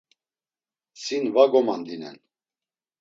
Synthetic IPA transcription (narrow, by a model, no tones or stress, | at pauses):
sinvaɡɔmand̪inɛ̰n